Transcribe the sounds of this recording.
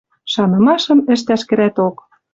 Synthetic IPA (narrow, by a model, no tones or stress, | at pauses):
ʃɑnɤ̆mɑʃɤ̆mɘ̆ʃ̬t̪æʃkɘ̆ɾæt̪ok